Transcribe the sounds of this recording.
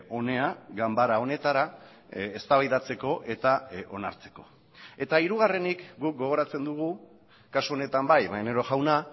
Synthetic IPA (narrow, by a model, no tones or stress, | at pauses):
o̞ne̞aɡambaɾao̞ne̞t̪aɾa | est̪aβajðat͡se̞ko̞ʔe̞t̪ao̞na̰ɾt͡se̞̥ko̞̥ | e̞t̪aiɾuɣ̞are̞nikɡuk̚ɡo̞ɣ̞o̞ɾat͡se̞nd̪uɣ̞u | kasuo̞ne̞t̪ambajmaneɾo̞ʝawna